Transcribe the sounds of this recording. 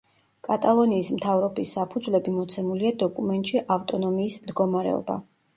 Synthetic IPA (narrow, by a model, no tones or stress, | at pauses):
kʼat̪ʼalˠɔniːsmt̪ʰavɾɔbisːapʰud̪zvlɛbimɔt̪sʰɛmuliad̪ɔkʼumɛnt̪ʼʃiʔaft̪ʼɔnɔmiːsmd̪ɡɔmaɾɛ̰ɔ̰ba̰